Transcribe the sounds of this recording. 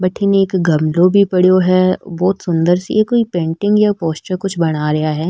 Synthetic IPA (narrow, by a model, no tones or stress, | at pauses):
bɐʈʰɪneːkɡɐmlõbʱipɐɽjoɦɛbɔːt̪sʊ̃nd̪əɾsḛjekoːipẽːɳʈɪ̃ŋɡjapoːsʈəɾkʊt͡ʃʰbɐɽ̃aɾɐɦaɦɛː